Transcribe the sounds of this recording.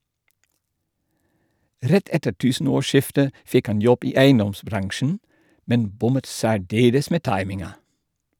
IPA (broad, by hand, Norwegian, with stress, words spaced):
ˈɾɛt ˈɛtə ˈʈʉːsn̩ˌoːˌʃɪftə ˈfɪk ˈɑn ˈjɔb ˈiː ˈæɪənˌdɔmsˌbɾɑŋʃn̩ ˈmɛn ˈbʊmət ˌsæːˈɖeːləs ˈmeː ˈtɑɪmɪŋɑ